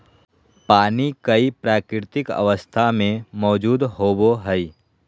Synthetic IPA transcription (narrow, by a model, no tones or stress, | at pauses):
paːnikɐipɾaːkɾɪɾt̪ɪkə̰ʋəst̪ʰamẽmɔːd͡ʒuːd̪ɦoːboɦɛi